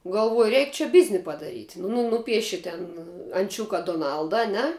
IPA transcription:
ɡɐlˠˈʋuɔjʊ ˈrʲɛɪk t͡ʃʲɛ ˈbʲɪzʲnʲɪ pɐdɐˈrʲiːtʲ nʊ ˈnuːpʲiɛʃʲɪ tʲɛn ɐnʲˈt͡ʃʲʊkɐ doːˈnɐlˠdɐ ɐˈnʲɛ

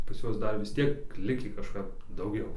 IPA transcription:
pɐs ˈjuɔs ˈdɐr ʋʲɪs ˈtʲiɛk ˈlʲɪkʲiː kɐˈʃkɐp dɐʊˈɡʲɛʊ

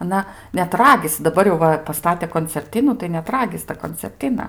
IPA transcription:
ɐˈnɐ nʲɛt ˈrɑːɡʲɪsʲɪ dɐˈbɐr jɛʊ ˈʋɐ pɐˈstɑːtʲeː koːnʲt͡sʲɛrʲˈtʲɪnuː tɐɪ nʲɛt ˈrɑːɡʲɪs tɐ koːnʲt͡sʲɛrʲˈtʲɪnɐ

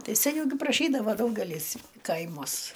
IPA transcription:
ˈtɐɪ sʲɛˈnʲɛʊ ɡʲɪ prɐˈʃʲiːdɐʋoː ˈdɐʊɡʲɛlʲiːs ˈkɐɪmuɔs

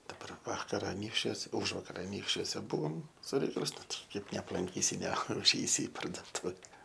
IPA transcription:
dɐˈbɐr ˈʋɑːkɐr ɐˈnʲiːkʃʲt͡ʃʲuɔs ˈʊʒʋɐkɐr ɐˈnʲiːkʃʲt͡ʃʲuɔsʲɛ ˈbʊʋoːm sʊ ˈrʲɛɪkɐlˠɐɪs ˈnʊ ˈtɐɪ ˈkɐɪp nʲɛɐplˠɐŋʲˈkʲiːsʲɪ nʲɛʊˈʒʲɛɪsʲɪ ɪ pɐrduɔˈtʊʋʲɛ

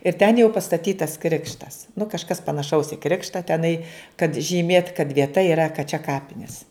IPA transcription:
ɪr tʲɛn jɛʊ pɐstɐˈtʲiːtɐs ˈkrʲɪkʃtɐs nʊ kɐʃˈkɐs pɐnɐˈʃɐʊs ɪ ˈkrʲɪkʃtɑː tʲɛˈnɐɪ kɐt ʒʲiːˈmʲeːt kɐt ʋʲiɛˈtɐ iːˈrɐ kɐt t͡ʃʲɛ ˈkɑːpʲɪnʲiɛs

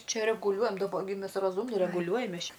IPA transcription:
ˈt͡ʃʲɛ rʲɛɡʊˈlʲuɔjɛm dɐˈbɐ ɡʲɪ ˈmʲɛs rɐˈzuːmʲnʲɪ rʲɛɡʊˈlʲuɔjɛm ˈmʲɛs ˈt͡ʃʲɛ

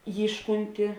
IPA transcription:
ˈjiːʃkʊnʲtʲɪ

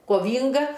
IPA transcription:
koːˈʋʲiːŋɡɐ

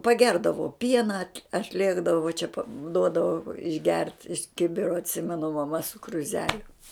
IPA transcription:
pɐˈɡʲɛrdɐʋoː ˈpʲiɛnɐ ɐtʲˈlʲeːɡdɐʋoː ʋɐ t͡ʃʲɛ pɐ ˈduɔdɐʋoː ɪʒʲˈɡʲɛrt ɪʃ ˈkʲɪbʲɪroː ɐtʲˈsʲɪmʲɛnʊ mɐˈmɐ sʊ krʊˈzʲæːlʲʊ

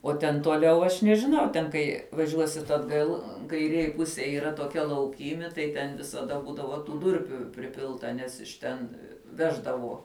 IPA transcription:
uɔ tʲɛn tuɔˈlʲɛʊ ɐʃ nʲɛʒʲɪˈnɐʊ ˈtʲɛn kɐɪ ʋɐˈʒʲuɔsʲɪt ɐdˈɡɐlˠ kɐɪˈrʲeːj ˈpʊsʲeːj iːˈrɐ toːˈkʲɛ lˠɐʊˈkʲiːmʲɪ tɐɪ tʲɛn ʋʲɪsɐˈdɐ ˈbuːdɐʋoː tuː ˈdʊrʲpʲuː pʲrʲɪˈpʲɪlˠtɐ ˈnʲɛs ɪʃ ˈtʲɛn ˈʋʲæːʒdɐʋoː

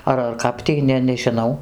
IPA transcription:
ˈɐr ɐr ˈkɐp tʲiː ˈnʲɛ nʲɛʒʲɪˈnɐʊ

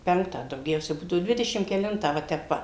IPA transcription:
ˈpʲɛŋktɑː dɐʊˈɡʲɛʊsʲɛ ˈbuːdɐʋʊ ˈdʲʋʲɪdʲɛʃʲɪm kʲɛˈlʲɪntɑː ʋɐ ˈtʲɛp ˈʋɐ

